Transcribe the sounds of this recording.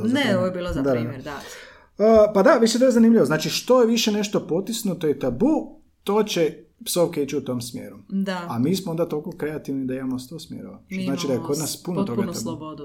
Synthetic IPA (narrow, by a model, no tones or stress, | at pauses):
neoojebiːlod̪ad̪ad̪a | əːpad̪aʋit͡ʃ̪it̪ojezanimʎʲiʋoznaːt͡ʃiʃt̪o̞jeʋiʃene̞ʃt̪o̞po̞t̪isnut̪ojet̪abu | t̪o̞ːt͡ɕe | psowkeit͡ʃuut̪o̞ːmsmje̞̰ːɾud̪aamiːsmoond̪at̪olkokɾe̞at̪iʋnid̪aimamost̪osmjeɾoʋat̪oznaːt͡ʃid̪ajeko̞d̪naspunot̪o̞ɡat̪abud̪